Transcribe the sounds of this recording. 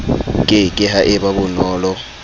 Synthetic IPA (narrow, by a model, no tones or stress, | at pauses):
kʼɪkʼɪɦaʔɪbabʊnɔːlɔ